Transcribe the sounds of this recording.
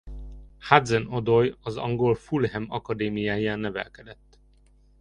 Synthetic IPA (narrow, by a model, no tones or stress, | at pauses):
had̪zɛnod̪ojɒzɒ̰ŋɡolfulhɛmɒkɒd̪eːmijaːjaːnːɛvɛ̰lkɛd̪ɛt̪ː